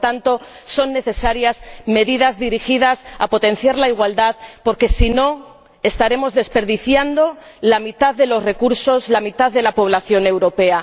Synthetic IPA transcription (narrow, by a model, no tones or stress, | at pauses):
t̪ant̪o̞ | so̞nːe̞θe̞saɾjazme̞ðiðazðiɾixiðasa̰po̞t̪e̞n̟θjaɾlaiɣ̞wald̪aðpo̞ɾke̞sino̞ | est̪aɾe̞mo̞zðe̞spe̞ɾðiθjand̪o̞lamit̪aððe̞lo̞zre̞kuɾso̞zlamit̪aððe̞lapo̞βlaθjo̞ne̞wɾo̞pe̞a